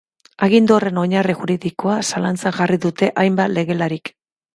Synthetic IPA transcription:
aɣ̞ind̪uore̞no̞ɲarixuɾiðiko̞asalant͡saŋʝariðut̪e̞ʔajmbat̪le̞ɣe̞laɾik

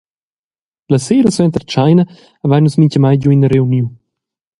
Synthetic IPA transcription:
lɐseləsɛnt̪əɾt͡ʃajnəː | vajnusmiɲʲcəmajɟuinəɾeuniw

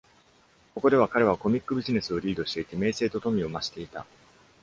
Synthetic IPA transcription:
ko̞ko̞d̪e̞βakaɾe̞βako̞mʲikːɯ̟bʲiʑine̞sɨo̞ɾʲiːd̪o̞ɕi̥t̪e̞it̪e̞me̞ːse̞ːt̪o̞t̪o̞mʲio̞maɕi̥t̪e̞it̪a̰

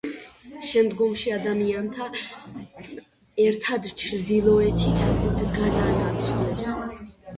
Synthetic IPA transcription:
ʃɛmd̪ɡɔmʃiad̪amiant̪ʰa | ɛɾt̪ʰad̪t͡ʃʰɾd̪ilˠɔɛt̪ʰit̪ʰd̪ɡad̪anat̪sʰulɛs

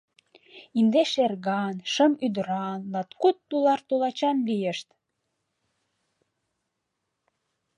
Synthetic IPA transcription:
ind̪eʃerɣɑnʃəmyd̪əɾɑnlɑt̪kut̪ːulɑrt̪ulɑt͡ɕɑnlijə̆ʃt̪

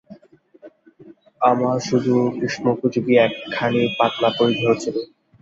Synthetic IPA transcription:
amaʃud̪ʱukɾiʃnokud͡ʑʰubiɛkʰːanipat̪̚nat̪oɾid̪ʱeɦot͡ɕʰile

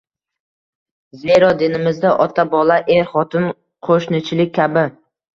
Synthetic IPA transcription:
zeɾɒd̪ɪnɪmɪzd̪aʔɒt̪ʰabɒlˠaʔeɾχɒt̪ɪn | qʰoʃnɪt͡ʃʰɪlɪk̚ʲʰːabɪ

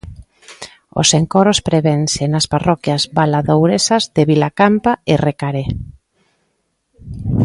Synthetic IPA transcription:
o̰seŋkɔɾospɾeβensenasparɔkjazbalaðowɾesazðeβilakampaerekaɾe

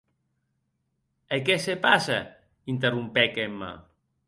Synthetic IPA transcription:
ekesepasa | int̪erumpɛkemːa̰

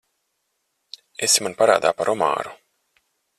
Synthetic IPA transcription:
esimanpaɾaːd̪a̰ːpaɾʔɔma̰ːɾu

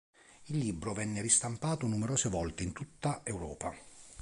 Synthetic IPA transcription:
ilːibɾovɛnːeɾist̪ampaːt̪onumeɾoːsevɔlt̪eint̪ut̪ːaewɾɔ̰ːpa

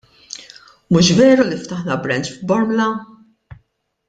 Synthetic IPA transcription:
muʃvɛːɾulift̪ɐħnɐbɾɛnt͡ʃfbɔɾmlɐ

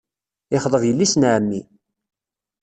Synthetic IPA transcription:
ɪχðˤəðjəlːisnʕəmːi

